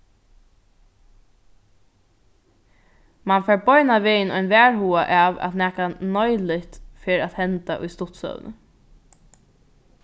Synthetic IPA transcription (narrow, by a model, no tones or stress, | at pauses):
manfɛːɹbɔjnaʋɪːɪnɔjnʋæːɹhuːaʔaʋɛ̰t̪næːkanɔjlɪt̪fɪɾat̪hɛnt̪a̰ʔʊ̰jst̪ʊt̪sœ̰ʋ̰nə̰